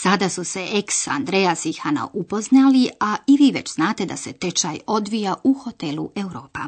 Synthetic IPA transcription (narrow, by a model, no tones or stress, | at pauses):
sad̪asuse̞ʔeksa̰nd̪ɾejasixana̰ʔupo̞znaliaiʋiːʋe̞t͡ɕznaːt̪e̞d̪a̰se̞t̪et͡ʃajo̞d̪ʋijaʔuxo̞t̪eluʔewɾo̞ːpa